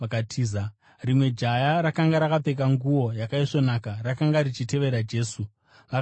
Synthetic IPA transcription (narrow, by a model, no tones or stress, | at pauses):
akatʰiːza | rimwe̞d͡ʒajaɾakaŋɡaɾakape̞k̬aŋɡuwo̞jakaiʂo̞nakarakaŋɡaɾit͡ʃite̞ʋe̞ɾad͡ʒe̞ːsu | ʋa